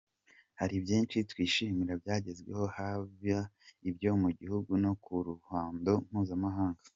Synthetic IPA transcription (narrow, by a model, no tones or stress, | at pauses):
haɾibjiːnt͡ʃitwiːʃimiɾabjaːɟe̞zɡwe̞̰ho̞havjaibjo̞muɟihuɡuno̞kuɾuhaːndo̞m̥huːzamaɦaːŋɡḁ